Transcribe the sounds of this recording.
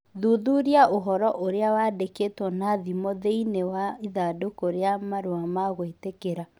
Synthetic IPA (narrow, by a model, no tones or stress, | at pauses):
ðuðuɾjaʔoɦɔɾɔʔoɾeawadekeːtwɔnaðimɔðeinewaiðadokoɾeamaɾoamaɣwetekeɾa